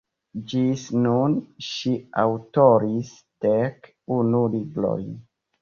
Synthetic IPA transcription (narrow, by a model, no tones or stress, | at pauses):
d͡ʒisnunʃiawtoɾis | d̥ek | unulibɾo̰j